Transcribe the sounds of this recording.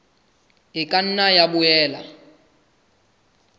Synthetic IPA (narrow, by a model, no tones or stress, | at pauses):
ɪkʼan̩najabʊɛːla̰